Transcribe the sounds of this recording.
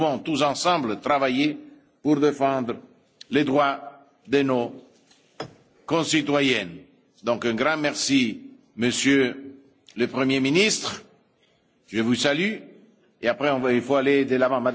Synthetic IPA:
vɔ̃t̪usɑ̃sɑ̃blət̪ɾavaje | puɾd̪efɑ̃d̪ɾə | led̪ʁwa | d̪eno | kɔ̃sit̪wajɛn | d̪ɔ̃kɛ̃ɡɾɑ̃mɛʁsi | məsjø | ləpʁəmjeminist̪χ | ʒəvusaly | eapχeɔ̃vilfoaled̪əlavɑ̃mad̪

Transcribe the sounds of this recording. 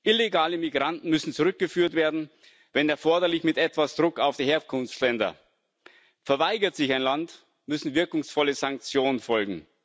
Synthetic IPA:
ʔɪleɡaːləmiɡʁantn̩mʏsn̩t͡suʁʏk̚ɡ̥əfyːɐtv̥eːɐdn̩ | vɛnɛɐfɔɐdɐlɪçmɪtʔɛtv̥asd̥ʁʊkaʊfd̥iːheːɐkʰʊnftlɛndɐ̰ | fɛɐvaɪɡɐtz̥ɪçaɪnlant | mʏsn̩vɪɐkʊŋsfɔləzaŋk̚t͡sjoːnənfɔlɡŋ̩

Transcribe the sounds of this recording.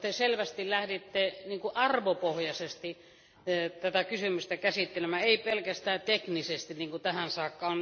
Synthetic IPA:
t̪eselʋæst̪illæhdit̪ːeniːŋkuʔɑrʋopohjɑsest̪i | t̪æt̪ækysymyst̪ækæsit̪ːelemæeˑipelkæst̪æːt̪eknisest̪iniːŋkut̪æhænsɑːkːɑon

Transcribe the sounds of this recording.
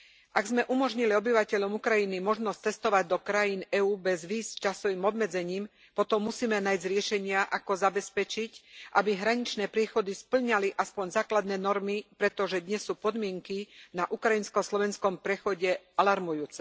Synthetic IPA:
ʔaɡzmɛʔumɔʒɲiliɔbiʋacɛʎɔmukɾajinimɔʒnɔst͡sɛst̪ɔʋaɟ̚d̪ɔkɾajiːnɛuːbɛzʋiːst͡ʃasɔʋimɔbmɛd͡zɛɲiːm | pɔt̪ɔmːusiːmɛnaːjzɾɪɛʃɛɲɪaʔakɔzabɛspɛt͡ʃicʔabiɦɾaɲit͡ʃnɛːpɾɪɛxɔd̪ispl̩ɲaliʔaspɔɲzaːklad̪nɛːnɔɾmipɾɛt̪ɔʒɛd̪ɲɛsːuːpɔd̪mɪɛŋkinaʔukɾajinskɔslɔʋɛnskɔmpɾɛxɔɟɛ | alaɾmujuːt͡sɛ

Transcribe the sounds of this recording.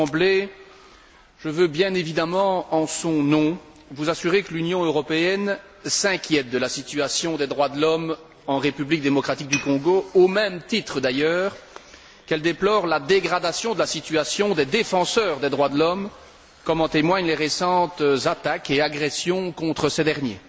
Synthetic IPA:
ble | ʒ̥əvøbjɛ̃nevid̪amɑ̃ɑ̃sɔ̃nɔ̃ | vuzasyʁekəlynjɔ̃øʁɔpeɛn | sɛ̃kʲjɛt̪̚d̪əlasit̪yasjɔ̃d̪ed̪ʁwad̪əlɔm | ɑ̃ʁepyblik̚d̪emɔkχat̪ik̚d̪ykɔ̃ɡoomɛmt̪it̪χəd̪ajœːʁ | kɛld̪eplɔːʁlad̪eɡʁad̪asjɔ̃d̪əlasit̪yasjɔ̃d̪ɛd̪efɑ̃sœːʁd̪ɛd̪ʁwad̪əlɔm | kɔmɑ̃t̪emwaɲleʁesɑ̃t̪zat̪akeaɡʁɛsjɔ̃kɔ̃t̪χəsɛd̪ɛʁnjḛ

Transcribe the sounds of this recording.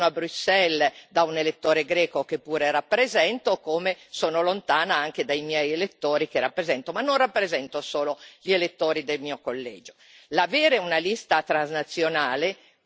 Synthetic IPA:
oabɾusːɛld̪aunelet̪ːoːɾeɡɾɛːkokepːuːɾerapːɾezɛnt̪okoːmesoːnolont̪aːnaaŋk̟ed̪ajmjɛjelet̪ːoːɾikerapːɾezɛnt̪omanːonrapːɾezɛnt̪osoːloʎielet̪ːoːɾid̪elmiːokolːɛ̰ːd͡ʒo | lavɛːɾeunalist̪at̪ɾanznat̪sːjonaːle

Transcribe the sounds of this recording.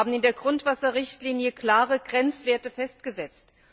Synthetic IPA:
bm̩ɪndeːɐɡʁʊntv̥asɐʁɪçtliːnjəkl̥aːʁəɡʁɛnt͡sv̥eːɐtəfɛstɡ̥əzɛt͡st

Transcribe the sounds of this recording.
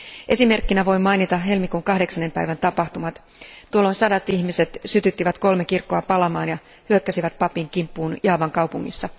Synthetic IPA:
ʔe̞sime̞rkːinæʋo̞jmɑjnit̪ɑɦe̞lmikuŋkɑhde̞ksɑnːe̞mpæjʋænt̪ɑpɑxt̪umɑt̪ | t̪ːuolːo̞nsɑdɑt̪içmise̞t̪syt̪yt̪ːiʋæt̪ko̞lmekirkːoɑpɑlɑmɑːnjɑ | hyøkːæsiʋæt̪̚pɑpiŋkimpːuːnjɑːʋɑŋkɑwpuŋːḭsːɑ

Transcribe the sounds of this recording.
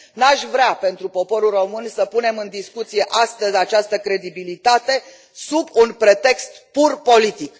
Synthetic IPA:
naʃvɾeape̞nt̪ɾupo̞po̞ɾulro̞mɨnsəpune̞mɨnd̪iskut̪sije̞ʔast̪əzʲat͡ʃast̪əkɾe̞d̪ibilit̪at̪e̞ | subunpɾe̞t̪e̞kst̪purpo̞lit̪ik

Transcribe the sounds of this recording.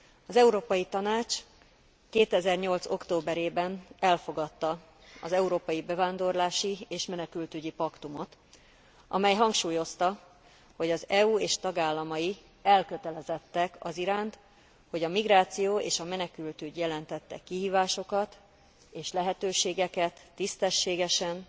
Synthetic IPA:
ɒzɛuɾoːpɒjit̪ɒnaːt͡ʃ | keːt̪ɛzɛrɲo̞lt̪so̞kt̪oːbɛɾeːbɛnɛlfo̞ɡɒt̪ːɒ | ɒzɛuɾoːpɒjibɛvaːnd̪o̞rlaːʃieːʃmɛnɛkylt̪yɟipɒkt̪umo̞t̪ | ʔɒ̰mɛjɦɒŋkʃuːjo̞st̪ɒ | ho̞ɟɒzɛuːeːʃt̪ɒɡaːlːɒmɒji | ɛlkø̞t̪ɛlɛzɛt̪ːɛkɒ̰ziɾaːnt̪ | ho̞ɟɒmiɡɾaːt̪sijoːḛːʃɒmɛnɛkylt̪yɟjɛlɛnt̪ɛt̪ːɛ̰kːiɦiːvaːʃo̞kɒt̪ | eːʃlɛɦɛt̪øːʃeːɡɛkɛt̪ːist̪ɛʃːeːɡɛʃɛn

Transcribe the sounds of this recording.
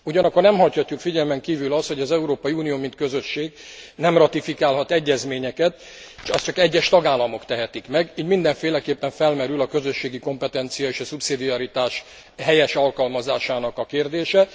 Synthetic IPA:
uɟɒnɒkːornɛmhɒchɒcːukfiɟɛlmɛŋkiːvylɒst̪ho̞ɟɒzɛuɾoːpɒjiuːnijoːmint̪̚kø̞zø̞ʃːeːɡnɛmrɒt̪ifikaːlɦɒt̪ɛɟːɛzmeːɲɛkɛt̪ | eʃɛst͡ʃɒkɛɟːɛʃt̪ɒɡaːlːɒmo̞kt̪ɛɦɛt̪ikmɛɡiːɟmind̪ɛɱfeːlɛkeːpːɛɱfɛlmɛɾylɒkø̞zø̞ʃːeːɡiko̞mpɛt̪ɛnt̪sijɒeːʃɒsupsid̪iɒɾit̪aːʃ | ɦɛjɛʃɒlkɒlmɒzaːʃaːnɒkɒkeːrd̪eːʃɛ

